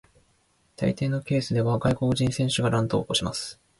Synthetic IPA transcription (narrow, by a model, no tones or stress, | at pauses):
t̪a̰it̪e̞ːno̞ke̞ːsɨd̪e̞βaɡaiko̞kɯ̟ʑĩsẽ̞ɰ̃ɕɨɡaɾãnt̪o̞̰ːkoɕimasɨ̥